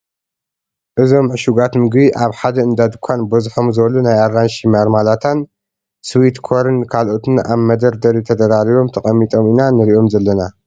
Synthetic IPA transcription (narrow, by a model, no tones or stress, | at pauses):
ʔɨzo̞mʕɨʃuɡat̪mɨɡbiʔaβħad̪ɐɨnd̪ad̪ɨkʷʰːanbɐzħo̞mzɨβɐlunajaɾːanʃimaɾmalat̪ʰan | swit̪kʰo̞ɾɨnkʰalʔo̞t̪ʰɨna̰βmɐd̪ɐɾd̪ɐɾit̪ʰɐd̪ɐɾaɾiβo̞mt̪ʰɐχʼɐmːit̪ʼo̞minanɨɾiʔo̞mzɐlːɐna